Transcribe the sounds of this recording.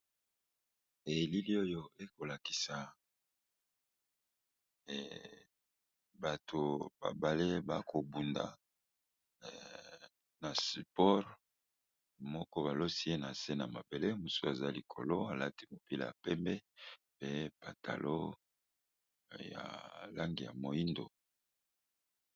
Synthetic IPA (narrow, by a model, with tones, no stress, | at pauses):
e˨li˦li˦o˦jo˦e˦ko˨la˨ki̥˨sa˨ | ba˨tʰo˨ba̰˨ba˨le˦ba˦kʰo˨bu˨nda̰˨ | na˨si˨pɔ˦ʁ | mɔ˦kɔ˦βa˨lo˦si˦e˦na˨se˦na˨ma˨be˨le˦mu˨so˦a˨za˦li˨kʰo̰˨lo˦a˨la˦ti˦mo˨pi˦lja̰˨pɛ˦mbɛ˦pe˦pa˨tʰa̰˨lo̰˦ | ja̰˨la˦ŋɡi˨ja̰˨mo˨i˦ndo̰˨